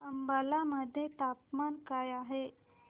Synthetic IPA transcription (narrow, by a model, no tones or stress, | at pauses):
əmbalaməd̪ʱjet̪apmankajaɦe